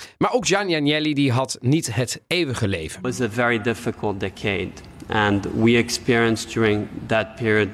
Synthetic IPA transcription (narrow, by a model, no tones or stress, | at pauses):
maːɹowkd͡ʒanjanjɛlidiɦɑtnitɦətejʋəχəlḛjvənwʌzɨvɛɹidɪfɨkʰəl̩ˠt̚d̥ɛkʰeɪd | ʔə̃nwiɨkspɪɹiə̃nsd̥jʊɹɪ̃ŋðət̚pʰɪɹiɨd̚